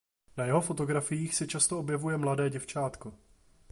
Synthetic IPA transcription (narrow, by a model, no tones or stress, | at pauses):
najɛɦo̞fo̞t̪o̞ɡɾafɪjiːxsɛt͡ʃast̪oʔobjɛvujɛmladɛːɟɛft͡ʃaːt̪ko̞